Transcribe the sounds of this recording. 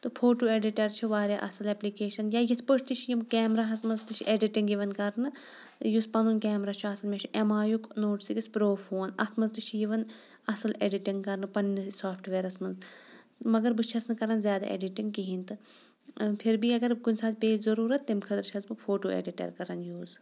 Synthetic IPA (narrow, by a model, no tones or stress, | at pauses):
t̪ɨfʰoːʈuːeːɖiʈɐɾt͡ʃʰiʋaːɾeʔɐ̰sɐlɛplikeːʃɐnjaːjit̪ʰpət͡ʃʰt̪it͡ʃʰijimkɛːmɾaːɦɐsmɐnzt̪ɨt͡ʃʰieɖiʈiŋɡjiʋɐnkɐɾnɨ | juspɐnunkɛːmɾaːt͡ʃʰuɐsɐlmʲet͡ʃʰuʔemaːjuknoːʈsiɡispɾoːfʰoːnɐt̪ʰmɐzt̪ɨt͡ʃʰijiʋɐn | ɐsɨleɖiʈiŋɡkɐɾnɨpɐnnisaːpʰʈʰʋeːɾɐsmɐnz | mɐɡɐɾbɨt͡ʃʰɐsnɨkɐɾɐnzʲjaːd̪a̰ːʔḛːɖiʈiŋɡ̚kiɦĩnt̪ɨ | pʰiɾbiɐɡɐɾɡunʲsʰaːzpeːzɐɾuːɾɐt̪ːimkʰɐd̪ɐɾt͡ʃʰɐzbɨkfʰoːʈoːḛːɖiʈɐ̰ːɾkɐɾɐnjuːz